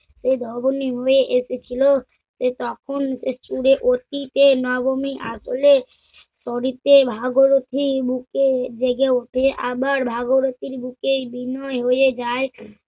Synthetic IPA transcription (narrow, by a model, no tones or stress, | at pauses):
sed̪ʱɔboniɦoeʔeset͡ʃʰilo | set̪ɔkʰonset͡ʃuɾeʔot̪it̪enɔbomiʔa̰sole | sɔɾit̪ebʱaɡoɾot̪ʰibuked͡ʒeɡeoʈʰeʔabəɾbʱaɡoɾot̪iɾbukebinɔɦojed͡ʒae